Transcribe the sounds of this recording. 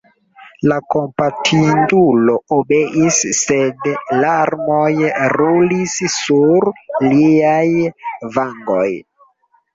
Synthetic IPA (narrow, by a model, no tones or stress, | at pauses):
lako̞mpatʰindulo̞obe̞ʔisːedlaɾmojɾulissuɾliajvaŋɡo̰j